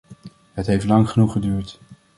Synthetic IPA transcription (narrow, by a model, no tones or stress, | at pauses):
ɦətɦejftlɑŋχənuχədyːɹt